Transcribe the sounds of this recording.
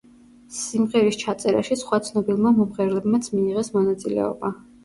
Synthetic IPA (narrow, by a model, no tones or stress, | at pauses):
simʁɛɾist͡ʃʰat̪sʼɛɾa̰ʃisχwat̪sʰnɔbilˠmamɔmʁɛɾlɛbmat̪sʰmiːʁɛsmɔnat̪sʼilɛ̰ɔ̰ba